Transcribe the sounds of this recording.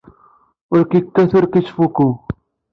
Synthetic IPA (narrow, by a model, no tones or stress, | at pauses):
ʊɾkikːɐsuɾkit͡ʃfuku